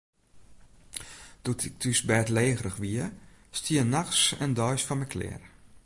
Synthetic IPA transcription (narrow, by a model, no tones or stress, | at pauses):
d̥utʰɪk̚tʰysbɛtleːɣrəxʋiəstiənaxsɛ̰ndɔjsfɔnmɛkʰlɪ̰ər